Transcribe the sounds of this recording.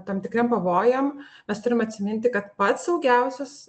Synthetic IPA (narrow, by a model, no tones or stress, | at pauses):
t̪ɐmt̪ʲɪkɾʲempɐʋoːjɛmmʲɛst̪ʊɾʲɪmɐt̪ʲsʲɪmʲɪnʲt̪ʲɪkɐt̪pɐt̪sɐʊɡʲɛʊsʲɛs